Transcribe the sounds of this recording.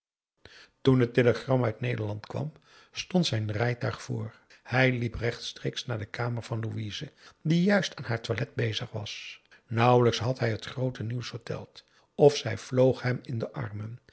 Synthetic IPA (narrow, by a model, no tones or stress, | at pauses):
tunɦətɪləχrɑmœɥtnejdəɹlɑntkʋɑ̰m | stɔntsɛjnrɛjtœɥχfʊːɹ | hɛjliprɛχtstreːksnaːɹdəkaːməɹvɑnluiːzədijœɥstaːnɦaːɹtʋalɛd̚bejzəχʋɑ̰s | nʌwələksɦɑtɦɛjɦətχrowtəniwsfəɹtɛ̰lˠt | ɔfsɛjv̥lowχɦɛmɪndəʔɑ̰ɹmən